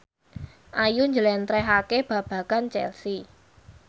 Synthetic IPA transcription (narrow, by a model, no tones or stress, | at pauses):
ʔajuɲd͡ʒəlɛnt̪ɾɛɦakeb̥ä̤b̥ä̤kant͡ʃɛ̰lsi